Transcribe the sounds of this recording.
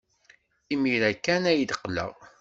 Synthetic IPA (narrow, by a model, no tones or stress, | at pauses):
imiɾækːænæjəd̪əqːlə̰ʁ